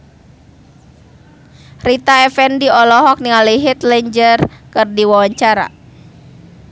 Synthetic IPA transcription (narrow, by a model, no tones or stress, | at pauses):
rit̪aɛfɛndiɔlɔɦɔk̚niŋaliɦit̪lɛɲd͡ʒərkɨrdiwawaɲt͡ʃaɾa̰